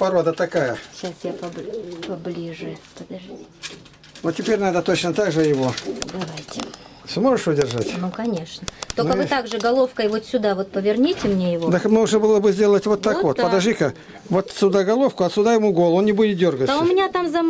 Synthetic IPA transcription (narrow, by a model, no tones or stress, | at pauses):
pɐɾo̞d̪ət̪ɐkajəɕasjapɐpɐblʲiʐɨd̪ɐʐʲ | vot̪ʲtʲːɪpʲeɾʲnad̪ət̪o̞t͡ɕnət̪aɡʐɨjɪvo̞d̪ɐvajtʲɪ | smo̞ʐɨʂʊdʲɪrʐa̰tʲnnukɐnʲe̞ʂnət̪onkəvɨt̪aɡʐɨɡɐlˠo̞fkəjvot̪sʲʊd̪avo̞t̪̚pəvʲɪrnʲitʲɪmnʲejɪvod̪əkmoʐnəbɨlˠəbɨzʲdʲe̞lˠətʲvo̞t̪ːakvo̞t̪̚pəd̪ɐʐɨkə | vot̪sʲʊd̪aɡɐlˠo̞fkʊɐsʲʊd̪ajɪmuɡo̞lˠonnʲɪbudʲɪt̪̚dʲo̞rɡəʊmʲɪnʲat̪amzɐ